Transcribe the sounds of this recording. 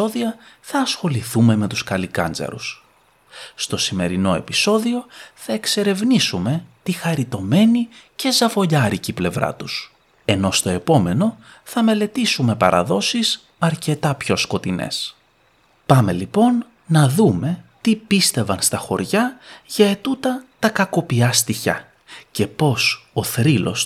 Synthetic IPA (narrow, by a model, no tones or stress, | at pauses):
o̞ðiɐθɐːsxo̞liθume̞me̞t̪uskɐlikɐ̰nd͡zɐ̰ɾṵs | st̪o̞sime̞ɾino̞e̞pi̥so̞ðio̞θɐe̞kse̞ɾe̞vnisume̞t̪ixɐɾit̪o̞me̞nice̞zɐvo̞ʎɐɾiciple̞vɾɐ̰t̪us | e̞no̞st̪o̞e̞po̞me̞no̞θɐme̞le̞t̪isume̞pɐ̰ɾʔɐ̰ðo̞sis | ɐɾce̞t̪ɐpço̞sko̞t̪ine̞̰s | pɐme̞lipo̞nː | ɐðume̞t̪ipist̪e̞vɐnst̪ɐxo̞̰ɾʝɐʝɐet̪ut̪ɐt̪ɐkɐko̞piɐst̪içɐ̰ | ce̞po̞so̞θɾilo̞̰s